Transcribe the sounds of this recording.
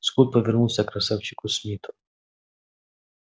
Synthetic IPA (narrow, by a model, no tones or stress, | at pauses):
skut̪̚pɔvʲɛrnuwsʲɐkɾɐsɛwt͡ʃikʊsʲmʲit̪ʊ